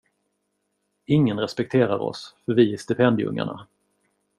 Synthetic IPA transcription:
ɪŋːənɾɛspɛk̚t̪ʰeːɾaɾɔ̰sfœɾvɪæʂt̪ɪpʰɛnd̪ɪɵ̰ŋːa̰ɳa̰

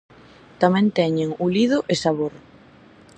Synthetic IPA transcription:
t̪amɛ̃nt̪ɛɲeŋulið̞ʊʔesaβoɾ

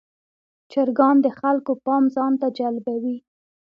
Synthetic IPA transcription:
t͡ʃaɾɡɑnd̪əxalkopɑmzɑnt̪ad͡ʒalbawi

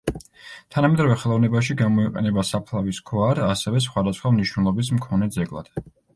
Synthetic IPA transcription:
t̪ʰanamɛd̪ɾavɛχɛlˠɔvnɛbaʃiɡamɔiqʼɛ̰nɛbasapʰlˠaviskʰvaɾasɛvɛs̬χwad̪asχwamniʃwnɛlˠɔbis̬mkʰɔnɛd̪zɛɡʼlˠa̰d̪̥

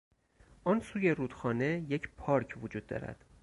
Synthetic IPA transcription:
ʔɒːnsuːje̞ɾuːd̪̥xɒːne̞jecʰpʰɒːɾcʰvod͡ʒuːd̪ːɒ̰ːɾæ̰d̪̥

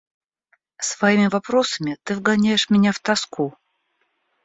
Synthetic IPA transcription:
svɐimʲɪvɐpɾo̞səmʲɪt̪ɨvɡɐnʲæjɪʂmʲɪnʲaft̪ɐsku

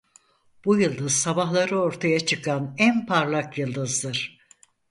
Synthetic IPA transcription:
b̥ujɯlˠd̪ɯzsabaɦlˠaɾɯo̞ɾt̪ʰajat͡ʃʰɯkʰanænpʰaɾlˠakjɯlˠd̪ɯzd̪ɯɾ̥

